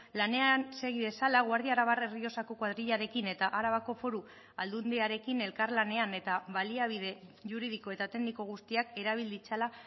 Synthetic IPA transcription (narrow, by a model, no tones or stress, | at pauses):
lane̞anse̞ɣ̞iðe̞salaɣwaɾðiaɾaβare̞rio̞sako̞kwaðɾiʎaɾe̞kine̞t̪aʔaɾaβako̞fo̞ɾu | ald̪und̪iaɾe̞kine̞lkaɾlane̞ane̞t̪aβaliaβ̞ið̞e̞ʝuɾið̞iko̞e̞t̪at̪e̞ɡniko̞ɣ̞ust̪iake̞ɾaβ̞ild̪it͡sala